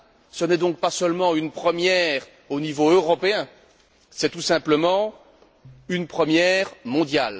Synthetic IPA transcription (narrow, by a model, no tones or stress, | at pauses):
sənɛd̪ɔ̃k̚pasœlmɑ̃ynpχəmjɛʁ | onivoøʁɔpeɛ̃ | sɛt̪usɛ̃pləmɑ̃ | ynpχəmjɛʁmɔ̃d̪jal